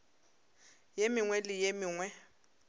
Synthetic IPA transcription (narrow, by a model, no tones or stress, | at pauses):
jemɪŋwɛlɪjemɪːŋwɛ